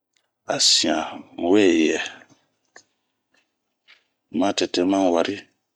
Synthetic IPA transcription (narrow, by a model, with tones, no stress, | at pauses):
a˨sĩ˨ã˨wɛ˦˨jɛ˨ | mã˦tɛ˨tɛ˦mã˦˨wa˨ɾʔi˦